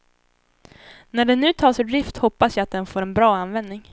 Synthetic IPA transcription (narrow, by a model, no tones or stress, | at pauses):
næɖɛnʉ̟ːt̪ʰɑːsɵɖ̪ɾɪft̪hɔpːasjaːat̪̚d̪ɛnfoːɾɛnbɾɑːanvɛnd̪nɪŋ